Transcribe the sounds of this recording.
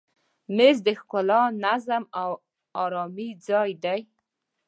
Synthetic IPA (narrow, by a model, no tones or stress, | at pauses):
mezd̪əxkʊlɑnazamaw | ɑɾɑmid͡zɑjd̪aj